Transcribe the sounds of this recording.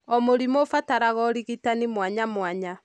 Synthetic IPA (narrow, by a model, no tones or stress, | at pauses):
ɔmoɾimofataɾaɣɔɾiɣitanimwaɲamwaɲa